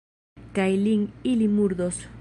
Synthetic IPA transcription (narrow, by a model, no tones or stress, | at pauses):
kajliŋilimuɾðos